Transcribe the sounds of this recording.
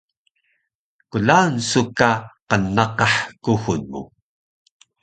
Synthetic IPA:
kulansukaqənːɑqɑħkuxunmṵ

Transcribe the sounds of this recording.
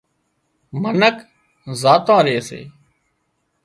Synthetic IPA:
mənək | zaːt̪ãːɾeːsḛː

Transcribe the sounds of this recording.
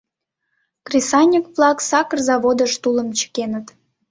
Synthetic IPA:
krʲesɑnʲikvlˠɑksɑkərzɑβod̪əʃt̪ulə̆mt͡ɕə̥kenət̪

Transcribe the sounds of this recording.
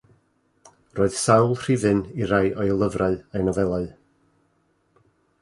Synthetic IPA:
roːɨð̥sawlˠr̥ɪvɨniɾajʔɔjlˠəvraɨajnɔvɛlˠaɨ

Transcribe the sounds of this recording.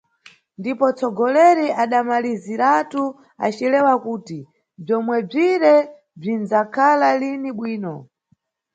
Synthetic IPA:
ndipɔt͡sɔɡɔlɛɾiaɗamaliziɾatu | a̰t͡ʃilɛwakuːti | b͡ʐɔmwɛb͡ʐiɾɛ | b͡ʐinzakʰalaliniɓwiːnɔ

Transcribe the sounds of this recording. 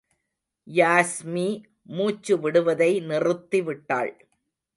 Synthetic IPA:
jaːsmiː | muːt͡ʃːɯʋɪɽɯʋɐðɐɪnɪrɯt̪ːiʋɪʈːa̰ːɭ

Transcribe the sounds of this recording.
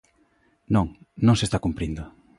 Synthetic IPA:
nõŋ | nõŋsest̪akumpɾind̪ʊ

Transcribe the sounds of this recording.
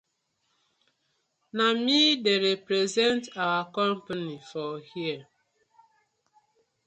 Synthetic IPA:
namideɾepɾezɛntawakɔ̃mpanifɔhiə

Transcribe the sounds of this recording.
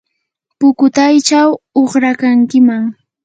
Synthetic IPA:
pʊkʊt̪ajt͡ʃawoχɾakaŋkɪmaŋ

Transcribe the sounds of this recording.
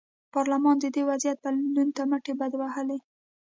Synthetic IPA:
pɑɾlamɑnd̪əd̪ewazjat̪̚palunt̪amaʈebad̪wahəle

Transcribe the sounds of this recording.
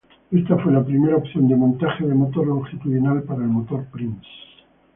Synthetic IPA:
e̞st̪afwe̞lapɾime̞ɾaopθjo̞nd̪emont̪axeðemo̞t̪o̞ɾoŋxit̪uðjonalpaɾaelmo̞t̪o̞ɾpɾims

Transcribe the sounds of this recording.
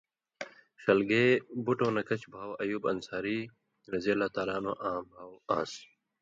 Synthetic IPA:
ɕɐlɡeːbuʈõːnɐkɐt͡ɕbʱaːwɐjuːbɐnsaːɾiː | ɾɐzelaːt̪aːlaːnõ̰ːʔãːmbʱaːwãːs

